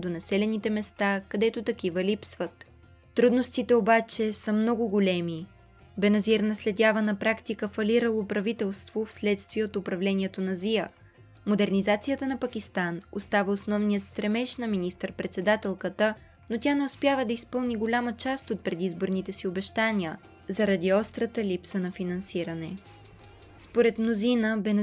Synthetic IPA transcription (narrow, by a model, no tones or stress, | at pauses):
d̪onɐsɛlɛnit̪ɛmɛst̪akɐd̪ɛt̪ot̪ɐk̟ivəlipsvət̪ː | ɾud̪nost̪it̪ɛobat͡ʃɛsəmnɔɡʊɡolʲɛmi | bɛnɐziɾnɐslɛd̪ʲavənɐpɾakt̪ikəfɐlʲiɾəlˠopɾɐvit̪ɛlˠst̪vofslɛt̪st̪viɛot̪ʊpɾɐvlɛniɛt̪onɐziə | mod̪ɛɾnʲizat̪sijət̪ənɐpɐkist̪anost̪avəosnɔvnijət̪st̪ɾɛmɛʃnɐminist̪əɾpɾɛt̪sɛd̪at̪ɛlˠkət̪ə | not̪ʲanɛʊspʲjavəd̪ɐispɤlˠniɡolʲamət͡ʃast̪ot̪̚pɾɛd̪izboɾnit̪ɛsiobɛʃt̪anʲiə | zɐɾɐd̪iɔst̪ɾət̪əlipsənɐfinɐnsiɾənɛ | spoɾɛt̪mnozinəbɛn